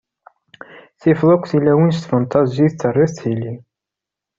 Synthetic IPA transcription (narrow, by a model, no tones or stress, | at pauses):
θɪfðˤʊkʷːθilːæwins̬t̪fɑnt̪ʰˤɑziθt͡sːərˤːiθt̪hili